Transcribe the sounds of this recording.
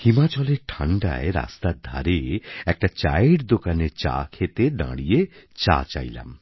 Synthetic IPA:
himat͡ɕɔleɾʈʰaɳɖa̰eɾa̰st̪ad̪ʱa̰ɾeɛk̚ʈat͡ɕajɽd̪okaneɾt͡ɕa̰kʰet̪eɖã̰ɽijet͡ɕa̰t͡ɕa̰jla̰m

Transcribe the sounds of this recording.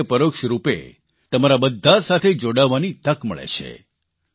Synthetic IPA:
əpəɾokʃəɾupḛ | t̪əmaɾabəd̪ʱːasat̪ʰed͡ʒoɽaʋːanit̪əkmə̰ɭḛt͡ʃʰḛ

